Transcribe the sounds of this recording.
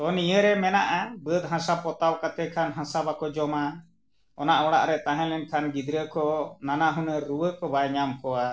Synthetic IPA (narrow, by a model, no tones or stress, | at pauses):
t̪ɔnijəɾɛmɛnaʔabəd̪ɦãsapɔt̪awkat̪ɛkʰanɦãsabakɔd͡ʒɔma | ɔnaʔɔɽa̰ʔɾɛt̪aɦɛ̃lɛnkʰanɡid̪ɾəkɔnanaɦunəɾuwəkɔbajɲamkɔwa